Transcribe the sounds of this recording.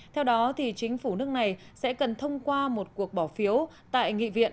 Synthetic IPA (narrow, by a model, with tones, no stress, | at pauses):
t̪ʰɛ˧wɗɔ˨˦t̪ʰi˨˩t͡ɕï˨˦ŋ̟fu˧˩nɨ˦˥ək̚na˨˩jsɛ̰˧˥kə˨˩nt̪ʰə˧wŋ͡mkwaː˧mo˨˩t̚ku˨˩ək̚ɓɔ˧˩fi˨˦əw | t̪a̰ː˧˨jŋḭ˧˨vḭ˧˨ən